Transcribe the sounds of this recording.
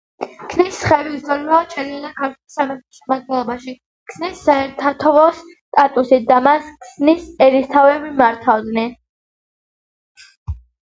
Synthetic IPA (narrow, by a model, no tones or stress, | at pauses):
kʰnisːχɛvizʼɔlivat͡ʃʰʼɛɾianakʰaɾt̪ʰwɛsamɛt̪ʰɔʃɛmad̪̚ɡɛlˠɔbaʃi | kʰsnisːaɛɾt̪ʰat̪ʰɔvɔs | t̪ʼat̪ʼusit̪̚d̪amaskʰsnisɛɾist̪ʰavɛbimaɾt̪ʰavd̪nɛn